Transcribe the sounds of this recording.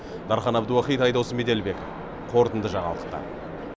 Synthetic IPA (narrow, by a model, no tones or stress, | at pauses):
d̪ɑɾχɑnɑbd̪əwɑχijt̪ɑjd̪ɑwsəmed̪e̞lbe̞ko̰f | qʰo̞ɾt̪ənd̪əʒɑɴɑ̰lˠəqt̪ɑ̰